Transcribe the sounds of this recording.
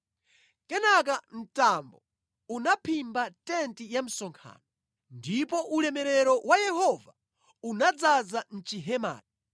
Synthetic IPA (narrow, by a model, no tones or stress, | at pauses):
kɛnak̬am̩tambɔ | unapʰimbatɛntijam̩sɔŋkʰa̰ːnɔ | ndipɔʔulɛmɛɾɛɾɔwʔajɛhɔva | unad͡zazan̩t͡ʃiɦɛma̰ːti